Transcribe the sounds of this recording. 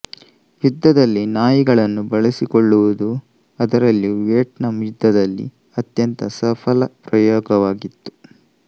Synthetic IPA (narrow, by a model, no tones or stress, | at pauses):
jud̪ːɐd̪ɐlːinaːjiɡɐɭɐnːubɐɭɐsikoɭːuʋud̪u | ɐd̪ɐɾɐlːuʋeːʈnɐmid̪ʱːɐd̪ɐlːḭ | ɐt̪jɐnt̪ɐsɐpʰɐlɐpɾɐjoːɡɐʋaːɡit̪ːu̥